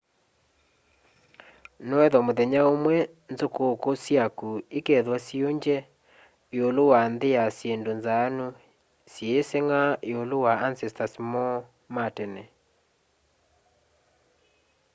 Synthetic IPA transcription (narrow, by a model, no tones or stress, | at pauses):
nɔɛðɔmoðeɲaomwɛ | nd͡zokokosjakuekeðwasjoɲd͡ʒɛ | jolowand̪ɪjasjendonzano | sjeːseŋaeolowaansɛstasmɔ | matɛnɛ̰